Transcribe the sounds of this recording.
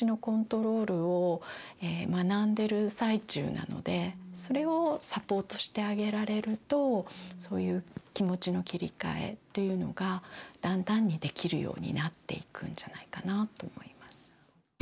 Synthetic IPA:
ino̞kõ̞nt̪o̞ɾo̞ːɾɯ̟o | eːmanãnd̪e̞ɾɯ̟sait͡ɕɨ̰ːna̰no̞̰d̪e̞so̞ɾe̞o̞sapo̞ːt̪o̞ɕi̥t̪e̞aɡe̞ɾaɾe̞ɾɯ̟t̪o̞so̞̰ːjɯ̟ːkʲimo̞t͡ɕino̞kʲiɾʲḭka̰e̞̰t̪ːo̞jɯ̟no̞ɡad̪̥ãnd̪ãɲ̟ːid̪e̞kʲiɾɯ̟̰jo̞̰ːɲ̟ḭnat̪ːe̞̰ikɯ̟̰̃ɲ̟d͡ʑanaikanat̪o̞ːmo̞̰imasɨ̥

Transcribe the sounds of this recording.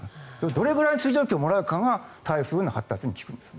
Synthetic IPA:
ed̪o̞ɾe̞ɡɯ̟ɾaiɲisɨːʑo̞ːkʲiomo̞ɾaɯ̟kaŋat̪ʰaiɸɯ̟ːnːohat̪ːat͡sɨɲ̟ikʲi̥kɯ̟̃nd̪e̞sɨ̥ne

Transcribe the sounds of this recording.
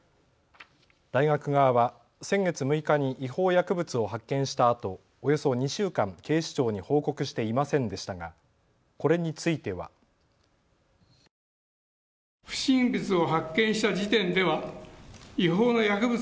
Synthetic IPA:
d̪̥aiɡakɯ̟ɡaβaβa | sẽ̞ŋɡe̞t͡sɨmɯ̟ikaɲ̟iʔiho̞ːjakɯ̟bɯ̟t͡sɨo̞ɦakːẽɰ̃ɕi̥t̪aːt̪o̞ː | jo̞soɲ̟iɕɨːkãŋke̞ːɕi̥t͡ɕo̞ːɲ̟iho̞ːko̞kɯ̟ɕi̥t̪e̞imasẽ̞nd̪e̞ɕi̥t̪aɡa | ko̞ɾe̞ɲ̟it͡sɨit̪e̞βa̰ | ɸɯ̟̥ɕĩmbɯ̟t͡sɨo̞ɦakːẽ̞ɰ̃ɕi̥t̪ad͡ʑit̪ẽ̞nd̪e̞βa | iɦo̞ːno̞jakɯ̟bɯ

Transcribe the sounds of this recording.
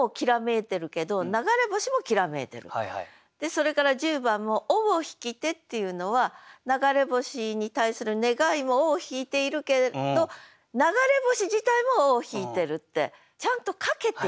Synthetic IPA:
okʲiɾame̞t̪e̞ɾɯ̟ke̞d̪o̞naɡaɾe̞bo̞ɕimo̞kʲiɾame̞̰ːt̪e̞ɾɯ̟̰ | d̪̥e̞so̞ɾe̞kaɾad͡ʑɨːbãmːo̞ʔoboçi̥kʲit̪e̞t̪ːe̞jɯ̟no̞βanaɡaɾe̞bo̞ɕiɲ̟it̪aisɨɾɯ̟ne̞ɡaimo̞oːçiːt̪e̞iɾɯ̟ke̞d̪o̞ | naɡaɾe̞bo̞ɕiʑit̪aimo̞oːçiːt̪e̞ɾɯ̟t̪ːe̞̰ | t͡ɕãnt̪o̞kake̞t̪ːe

